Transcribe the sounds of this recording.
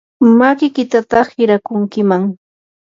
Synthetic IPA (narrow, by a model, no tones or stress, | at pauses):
makɪkɪt̪at̪ɑχɪɾakʊŋkɪmaŋ